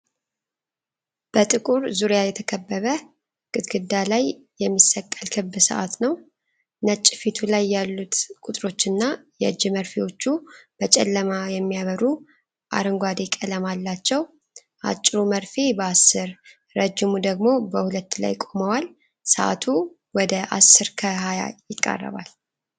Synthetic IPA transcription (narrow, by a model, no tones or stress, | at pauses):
b̥ət̪ʼɨkʼuɾzuɾjajɛt̪ʰəkʰəbːəβə | ɡ̥ʼɨt̪ɡɨd̪ːalaj | jɛmːisːəkʼːəlkʰɨbːɨsə̰ʔa̰t̪nəw | nət͡ʃʼːfit̪ʰulajːalːut̪kʼut̪ʼɾo̞t͡ʃːɨnːajɛɨd͡ʒːɪməɾfewo̞t͡ʃːub̥ət͡ʃʼɛ̰lːəmajɛmːijaβəɾu | ʔa̰ɾɨŋɡʷad̪ekʼələmalːat͡ʃːɛw | ʔa̰t͡ʃʼːɾuməɾfebəasːɨɾː | əd͡ʒɪmud̪əɡmo̞bəhulət̪ːla̰jkʼoməwal | səʔa̰t̪ʰu | wɔd̪əʔasːɨɾkʰəɦaja̰jɪkʼːə̰rːə̰βa̰l